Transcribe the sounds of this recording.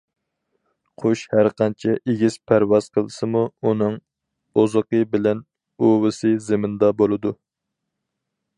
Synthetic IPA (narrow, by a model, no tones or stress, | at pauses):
qʰoʃhæɾqɑnt͡ʃʰɛʔeɡʲiz̥pʰæɾwɑz̥qʰəlˠɨsɨmuunɨŋ | ozəqəbɪlɛn | owɨsɨzɪmɪnd̪ɑbolˠɨd̪u